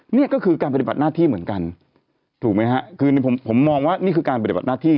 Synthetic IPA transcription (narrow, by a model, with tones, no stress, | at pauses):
ni˥˩ɐkɔː˥˩kʰɯː˧kaː˧npa˧t̪i˨˩a˨˩t̪̚naː˥˩t̪ʰiː˥˩mɯ˩˦ənka˧n | t̪ʰuː˨˩k̚ma˦˥jha˦˥ʔkʰɯː˧n˧pʰo˩˦mpʰo˩˦mːɔː˧ŋwaː˥˩niː˥˩kʰɯː˧kaː˧npa˧i˨b̪̚naː˥˩t̪ʰiː˥˩